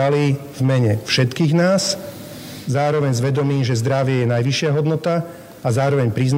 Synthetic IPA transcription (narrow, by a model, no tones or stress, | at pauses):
ali | vmɛɲɛfʃɛt̪kiːɣnaːs | zaːɾɔʋɛɲzʋɛd̪ɔmiːmʒɛzd̪ɾaʋɪɛjɛnajʋiʃɪaɦɔd̪nɔt̪a | azaːɾɔʋɛɲpɾiːzn